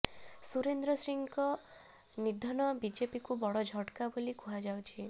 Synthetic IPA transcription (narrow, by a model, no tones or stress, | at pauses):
suɾend̪ɾɔsɾiŋkɔ | nid̪ʱɔnɔbid͡ʒepikubɔɽɔd͡ʒʱɔʈkabolikʰuɦad͡ʒawt͡ʃʰi